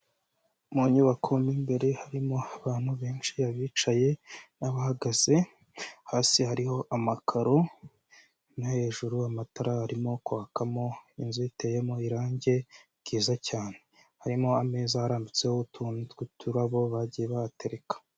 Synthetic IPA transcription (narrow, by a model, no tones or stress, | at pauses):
moɲuβakʰomimbe̞ɾe̞haɾimo̞aβaːn̥huβe̞ːnʃiaβiːt͡ʃaje̞naβahaɡaz̥e̞ | haːsihaɾiho̞ʔamakʰaɾo | nahe̞ʒuɾuamataɾahaɾimo̞kwaakamo̞inzoite̞je̞mo̞iɾaːɲɟe̞ | ɡiːzacaːne̞ | haɾimo̞ame̞ːzahaɾaːmbit͡se̞houtʰunɡutʰuɾaβo̞βaɟijeβahate̞ɾe̞kḁ